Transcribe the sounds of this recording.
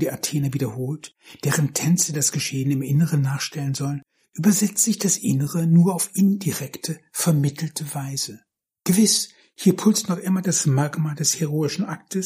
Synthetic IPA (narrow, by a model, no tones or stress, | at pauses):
diːʔatʰeːnaviːdɐhoːlt | d̥eːʁəntʰɛnt͡sədasɡ̥əʃeːənɪmʔɪnəʁənːaːχʃtɛlənzɔlən | ʔyːbɐzɛt͡sz̥ɪçd̥asʔɪ̰nəʁənuːɐaʊfʔɪndiʁɛktʰəfɛɐmɪtʰl̩tʰəvaɪzə | ɡ̥əvɪs | hiːɐpʰʊlt͡stnɔχʔɪmɐdasmakmaːldɛsheʁoːɪʃn̩ʔak̚tʰəs